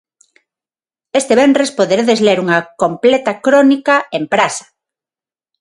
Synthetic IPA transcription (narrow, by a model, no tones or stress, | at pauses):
est̪eβendɾespoðeɾeðezleɾuŋakomplet̪akɾonikaempɾasḁ